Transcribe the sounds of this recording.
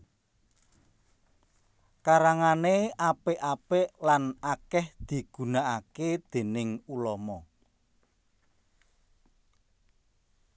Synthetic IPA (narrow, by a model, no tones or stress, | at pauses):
kaɾaŋaneʔapeʔapeʔlanakɛhd̪̥i̤ɡ̥ṳnaʔaked̪̥e̤nɪŋulɔmɔ